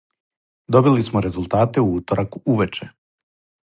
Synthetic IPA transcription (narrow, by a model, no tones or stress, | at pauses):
d̪o̞bilismoɾe̞zulˠt̪aːt̪e̞uuːt̪oɾʔakuuʋet͡ʃe̞